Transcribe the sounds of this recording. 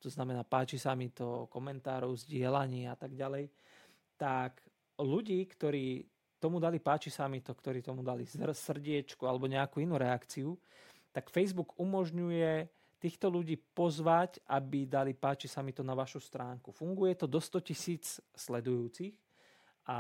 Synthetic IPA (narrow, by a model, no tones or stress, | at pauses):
t̪ɔznamɛnaːpaːt͡ʃisamit̪ɔkɔmɛnt̪aːɾɔʊzɟɪɛlaɲiːat̪aɡɟalɛj | t̪ak | ʎuɟiːkt̪ɔɾiː | t̪ɔmud̪alipaːt͡ʃisamit̪ɔkt̪ɔɾiːt̪ɔmud̪alisrsr̩ɟɪɛt͡ʃkualɛbɔɲɛakuinuːɾɛakt͡siu | t̪akfɛjzbuɡumɔʒɲujɛ | t̪iːxt̪ɔluɟiːpɔzʋacʔabid̪alipaːt͡ʃisamit̪ɔnaʋaʃust̪ɾaːŋkufuŋɡujɛt̪ɔd̪ɔst̪ɔcisiːt͡sslɛd̪ujuːt͡six | ʔa